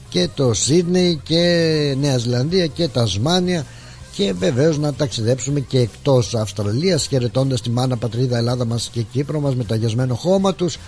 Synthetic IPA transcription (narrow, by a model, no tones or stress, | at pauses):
ce̞t̪o̞sid̪ne̞jce̞ne̞ɐizilɐnðiɐce̞t̪ɐzmɐniɐ | ce̞ve̞ve̞o̞znɐt̪ɐksiðe̞psume̞ce̞ːkt̪o̞sɐfst̪ɾɐliɐsçe̞ɾe̞t̪o̞nd̪ɐst̪imɐnɐpɐt̪ɾiðɐelɐðɐmɐsce̞cipɾo̞mɐzme̞t̪oɐʝɐzme̞noxo̞mɐt̪us